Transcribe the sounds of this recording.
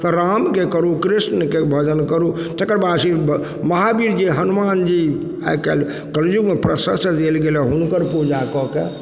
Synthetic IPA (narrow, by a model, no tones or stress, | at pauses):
t̪ɾamkekəɾukɾisnkebʱəd͡ʒənkəɾu | t̪ekəɾbad̪si | məɦabiɾd͡ʒeɦənumand͡ʒi | a̰kɛl | kəld͡ʒuɡmepɾəsəsd̪elɡelɛɦunkəɾpud͡ʒakɔke